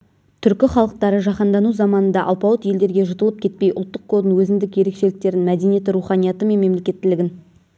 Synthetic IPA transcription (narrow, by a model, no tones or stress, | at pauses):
t̪ʰʏɾkʲɪχɑlˠəq̚t̪ɑɾəʒɑqɑnd̪ɑnuzɑmɑnənd̪ɑʔɑlˠpɑwˠət̪je̞ld̪e̞ɾɡʲe̞ʒət̪əlˠəp̚kʰʲe̞t̪̚pe̞jʔoʊlˠt̪ːəqkʰːod̪ənwɵzɪnd̪ɪkje̞ɾe̞kʃe̞lɪk̚t̪e̞ɾɪnmæd̪e̞nije̞t̪ɾuχɑnijɑt̪əme̞nme̞mle̞kʲe̞t̪ːɪlɪɡʲɪn